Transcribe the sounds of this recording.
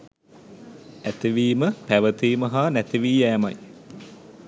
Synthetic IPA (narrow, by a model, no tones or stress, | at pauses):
æt̪iʋiːməpæʋət̪iːməɦaːnæt̪iʋiːæːmɐj